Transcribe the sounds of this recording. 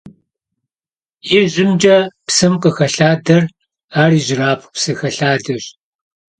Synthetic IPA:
jɪʒɪmd͡ʒɐpsɨmqəxɐɬaːdɐr | aːriːʑɪraːpʰʷpsɨxɐɬaːdɐɕ

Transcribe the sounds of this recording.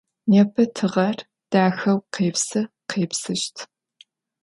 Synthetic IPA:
nɛpʰɐtʰɨʁɐr | d̥aːxɐwqeːpsɨ | qʰeːpsɨʃtʰ

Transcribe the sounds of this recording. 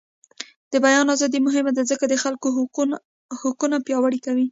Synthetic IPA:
d̪̥əbajɑnɑzɑd̪imʊɦɪmad̪azəkad̪əxalko | hʊkunapjɑwaɽikawi

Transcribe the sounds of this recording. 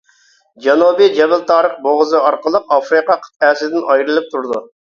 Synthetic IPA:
d͡ʒɑnubid͡ʒɛbɪlt̪ʰɑːɾəχ̚boʁəzɨɑɾqəlˠəqɑfɾiqɑqʰə̥t̪ɛːsɪd̪ɪnɑjɾɨlˠɨp̚t̪ʰuɾd̪u

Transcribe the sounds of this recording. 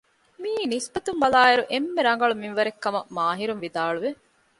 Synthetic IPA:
miːnispɐt̪umbɐlaːeɾuʔemːeɾɐŋ̆ɡɐɭumiʋɐɾekːɐmɐmaːɦiɾunʋid̪aːɭuʋe

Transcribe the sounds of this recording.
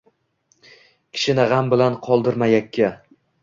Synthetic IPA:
kʲʰɪ̥ʃɪnɪʁambɪlanqʰɒlˠd̪ɪɾmajakʲʰːa

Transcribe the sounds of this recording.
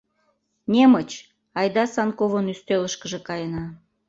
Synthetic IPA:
nʲemət͡ɕ | ɑjd̪ɑsɑnkovənyst̪øləʃkəʒĕkɑjənɑ

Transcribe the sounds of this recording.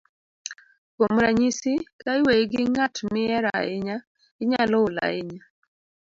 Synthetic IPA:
kwomɾaɲisɪkaɪweɡɪŋatmɪɛɾa̰ɪɲa | ɡɪɲalɔla̰ɪɲa

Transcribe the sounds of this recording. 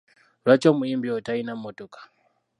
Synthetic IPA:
rwat͡ʃomuimbiɔtainamotokḁ

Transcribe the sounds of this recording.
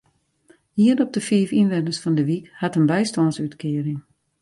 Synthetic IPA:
hiənɔp̚dəfiəfinʋɛnəsfɔndəʋikhatənbɛjstɔnsytkʰɪəɾɪŋ

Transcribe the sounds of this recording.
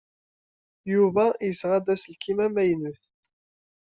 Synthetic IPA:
juvæjəsʁæd̪æslkimæmæjnuθ

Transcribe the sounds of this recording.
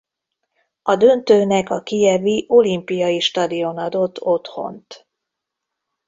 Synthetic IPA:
ɒd̪ø̞nt̪øːnɛkɒkijɛviʔo̞limpijɒiʃt̪ɒd̪io̞nɒd̪o̞t̪ːʰo̞t̪ho̞̰nt̪

